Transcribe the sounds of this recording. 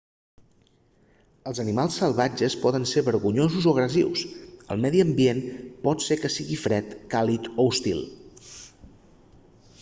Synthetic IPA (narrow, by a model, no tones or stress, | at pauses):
əlˠzənimalˠsːəlˠβad͡ʒəspɔðənseβəɾɣuɲozuzoəɣɾəziwsə̰lˠmɛðiəmbienpɔt̪sekəsiɣifɾɛt̪kalit̪oust̪ḭlˠ